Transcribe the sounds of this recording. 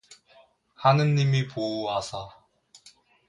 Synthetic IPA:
hanɯnɲimipouasʰa

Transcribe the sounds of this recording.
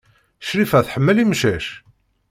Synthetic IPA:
ʃɾifæθħəmːəlimʃæʃ

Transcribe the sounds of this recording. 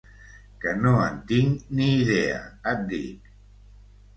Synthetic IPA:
kənoant̪iŋniːðea̰at̪̚d̪ḭk

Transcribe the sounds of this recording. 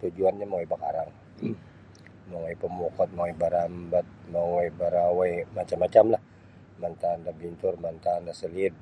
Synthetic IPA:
t̪ud͡ʒuanɲamaŋibaka̰ɾaŋ | moŋɔipəmokɔt̪̚mawibaɾambat̪̚mawajbaɾawajmat͡ʃamːat͡ʃamlah | mant̪andabint̪ʊrmant̪andasəlid̪̚

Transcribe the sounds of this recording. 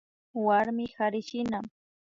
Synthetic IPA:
waɾmɪxaɾɪʃɪna

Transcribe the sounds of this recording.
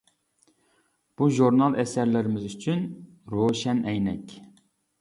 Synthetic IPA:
b̥uʒuɾnɑlˠɛsæɾlɪɾɪmɪzyt͡ʃʰyn | ɾoʃɛnʔɛjnɛkʲ

